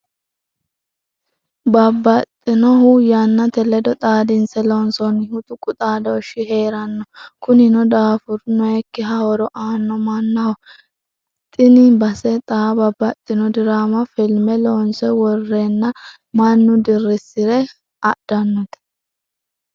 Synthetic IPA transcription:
bɐbːɐt̪ʼːɪnɔɦʊjɐnːɐt̪ɛlɛd̪ɔt̪ʼaːd̪ɪnsɛloːnsɔnɪhʊt̪ʊkʼʊt̪ʼaːd̪ɔːʃɪɦe̞ːɾɐnːɔkʊnɪnɔd̪aːfʊɾnɔjɛkːɪɦɐwɔɾɔʔaːnːɔmɐnːɐhɔ | t̪ʼɪnɪbɐsɛt̪ʼaːbɐbːɐt̪ʼːɪnɔd̪ɪɾaːmɐfɪlmɛloːnsɛwɔrːɛnːɐ | mɐnːʊd̪ɪrːɪsɪɾɛ | ɐd̪̥ɐnːɔt̪ɛ̥

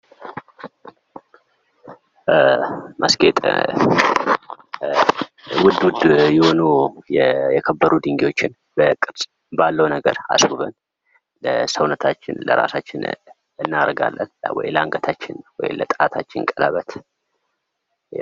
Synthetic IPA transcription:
mʔəskʼet̪ʼ | wʊd̪ʊd̪jɪho̞nujɛjɛkʰəbːəɾud̪ɨŋɡiwo̞t͡ʃːɪn | bəkʼɨd̪sʼ | balːəwnəɡəɾa̰suβən | ləsəwnət̪ʰat͡ʃːɪnləɾasat͡ʃːɪn | ɨnːaɾəɡalːə̰nwɔjləaŋɡət̪ʰat͡ʃːɪnwɔjɪlət̪ʼat̪ʰat͡ʃːɪnkʼəlaβət̪ʰ

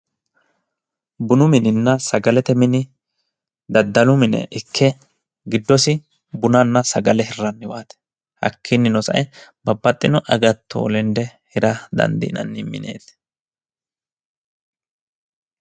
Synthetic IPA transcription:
bʊnʊmɪnɪnːɐsɐɡɐlɛt̪ɛmɪnɪ | d̪ɐd̪ːɐlʊmɪnɛ̰ʔɪkʰːɛ | ɡɪd̪ːɔsɪ | bʊnɐnːɐsɐɡɐlɛhɪrːɐnːɪwaːt̪ɛ̥ | hɐ̰kʰːɪnːɪnɔsɐ̰ʔɛbɐbːɐt̪ʼːɪnɔʔɐɡɐt̪ʰːo̰ːlɛnd̪ɛhɪɾɐd̪ɐ̰nd̪ḭnɐ̰nːɪmɪ̰nḛːt̪

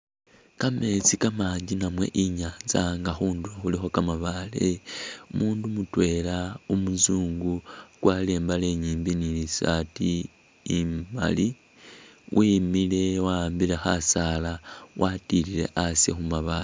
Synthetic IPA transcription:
kame̞t͡sikamaːɲɟinamwe̞̰ʔiɲaːnzaŋɡaxuːnduoxulixo̞kamaβale̞umuːndumutwe̞laumuzuːŋɡukwale̞ːmbale̞ɲiːmbinilisatiː | ma̰li | wʔimilewambilexasalawʔatilile̞̰ʔasjḛxumaβale

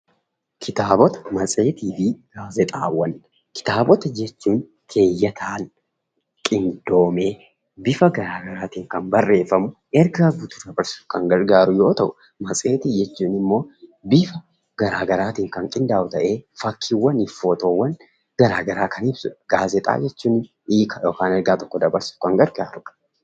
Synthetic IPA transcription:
kʰɪt̪aːbɔt̪ɐ̥mɐsʼe̞ːt̪iːfiɡ̥aːzɛt̪ʼa̰ːwːɐnː | kɪ̥t̪aːbɔt̪ɐd͡ʒɛt͡ʃːuːn | kʰe̞ːjːɐt̪ʰaːn | kʼɪnd̪o̞ːmeː | bɪfɐɡɐɾaːɡɐɾaːt̪iːŋkɐnbɐrːe̞ːfɐmʊʔɛɾɡɐɐɡʊt̪ʊrɐbɐɾsʊ̥kɐŋɡɐɾɡaːɾʊjoːt̪ɐʔʊ | mɐsʼe̞ːt̪id͡ʒɛt͡ʃːuːnɪmːo̞ːbɪfɐ | ɡ̥ɐɾaːɡɐɾaːt̪iːŋkɐŋkʼɪnd̪aːʔʊt̪ɐʔe̞ːfɐkʰːiwːɐnɪfoːt̪oːwːɐn | ɡ̥ɐɾaːɡɐɾaːkɐnɪbsʊᶑɡ̥aːzɛt̪ʼa̰ːd͡ʒɛt͡ʃːuːnɪ | iːkɐjoːkaːnɛɾɡaːt̪ɔkːɔd̪ɐbɐɾsɪ̥kɐŋɡɐɾɡaːɾʊ̥

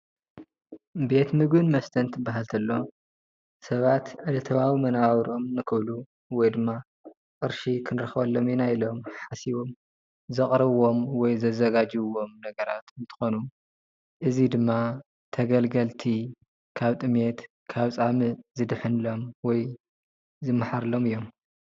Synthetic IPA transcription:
be̞t̪mɨɡɨnmɐst̪ʰɐnt̪ʰɨbːaɦalt̪ʰɐlːo̞ | sɐβat̪ʕɨlɐt̪ʰɐβawimɐnawɾʔo̞mnɨkʰɨβlu | wɔjd̪ɨmːa | kʼɨɾʃikʰɨnɾɐxβɐlːo̞minajilo̞mħasiβo̞m | zɨχʼɾɐβo̞mwɔjzɐzɐɡad͡ʒiwo̞mnɐɡɐɾat̪ɨnt̪ʰɨ̥xo̞nu | ʔɨzid̪ɨmːa | t̪ʰɐɡɐlɡɐlt̪ʰi | kʰaβt̪ʼɨmet̪ | kʰaβt͡sʼamɨzɨd̪ħɨnlo̞mwɔj | zɨmːɨħaɾlo̞mɨjːo̞m

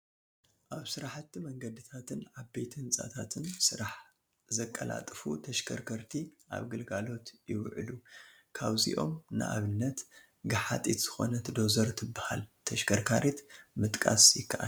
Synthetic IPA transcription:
ʔaβsɨɾaħat̪ːimɐŋɡɐd̪ɨt̪ʰat̪ʰɨnʕaβbejt̪ʰiɨnsʼa̰t̪ʰat̪ʰɨnsɨɾaħ | zɐkʼːɐla̰t̪ʼfut̪ʰɐʃkʰɐɾkʰɐɾt̪ʰiʔa̰βɡɨlɡalo̞t̪jɪwʕɨlu | kʰaβzḭʔo̞mnɨ̰ʔa̰βɨnːɐt̪ | ɡɨħa̰t̪ʼit̪z̥ɨxo̞̰nɐt̪ʰɨd̪o̞zɐɾt̪ʰɨbːaha̰lt̪ʰɐʃkʰɐɾkʰaɾit̪mɨt̪ʼkʼa̰sjɪkːɐʔa̰n

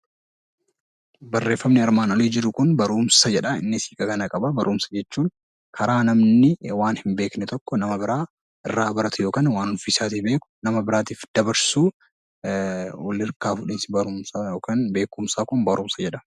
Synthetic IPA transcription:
bɐrːe̞ːfːɐmnɪɐɾmaːnɔliːd͡ʒɪɾʊkʊnbɐɾuːmsɐd͡ʒɛᶑɐɪ̰nːɪsiːkʼɐkɐnɐkʼɐbɐbɐɾʔuːmsɐ̥d͡ʒɛt͡ʃːuːn | kʰɐɾaːnɐmnɪwaːnhɪmbeːknɛt̪ʰɔkːɔnɐmɐbɪɾaː | ɪrːaːbɐɾɐt̪ʊjo̞ːkaːnwaːnʊfɪsaːt̪iːbe̞ːkʊ̥nɐmɐbɪɾaːt̪iːfd̪̥ɐbɐɾsuː | wɔlːɪɾkaːfʊᶑɪːnsɪbɐɾʊmsajoːkaːnbe̞ːkʊmsaːkʊnbɐɾʔuːmsɐd͡ʒɛᶑɐ̥

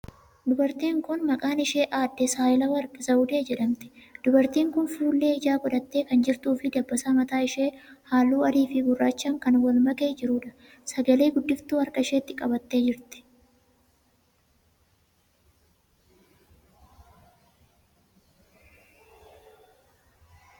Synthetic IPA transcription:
d̪ʊbɐɾt̪iːŋkʊnmɐkʼaːnɪʃe̞ːʔaːd̪ːɛsaːjɪlɐwɐɾkɪzɐʊd̪e̞ːd͡ʒɛᶑɐmt̪ɪ̥d̪̥ʊbɐɾt̪iːŋkʊnfuːlːe̞ːɪd͡ʒaːɡɔᶑ̪ɐt̪ːe̞ːkɐnd͡ʒɪɾt̪uːfɪd̪ɐbːɐsaːmɐt̪aːɪʃeːhaːlːuːɐd̪iːfɪɡʊrːaːt͡ʃːɐmkɐnwɐlmɐkʼe̞ːd͡ʒɪɾuːᶑɐ̥ | sɐɡɐleːɡʊd̪ːɪft̪uːɐɾkʼɐɪʃeːt̪ːɪkʼɐbɐt̪ːe̞ːd͡ʒɪɾt̪ɛ̥

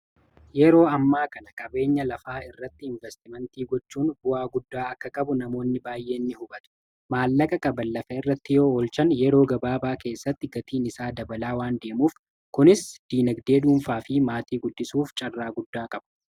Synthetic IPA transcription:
jɛɾo̞ːɐmːaːkɐnɐkʼɐbe̞ːɲːɐlɐfaːɪrːɐt̪ːɪɪɱvɛst̪ɪmɛnt̪iːɡɔt͡ʃːuːnbʊaːɡʊd̪ːaːɐkːɐkʼɐbʊnɐmo̞ːnːɪbaːjːʔe̞ːnːɪhʊbɐt̪ʊ̥ | maːlːɐkʼɐkʼɐbɐlːɐfɐɪrːɐt̪ːɪjo̞ːɔːlt͡ʃɐnjɛɾo̞ːɡɐbaːbaːke̞ːsːɐt̪ːɪɡɐt̪iːnɪsaːd̪ɐbɐlaːwaːnd̪e̞ːmuːf | kʊnɪsd̪̥iːnɐɡd̪e̞ːd̪uʊːnfaːfɪmaːt̪iːɡʊdːɪsuːft͡ʃʼɐrːaːɡʊd̪ːaːkʼɐb̥ɐ̥

